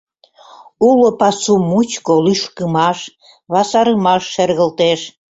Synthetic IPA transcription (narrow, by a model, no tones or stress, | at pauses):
ulopɑsumut͡ɕkolyʃkəmɑʃ | βɑsɑɾəmɑʃːerɣəlt̪eʃ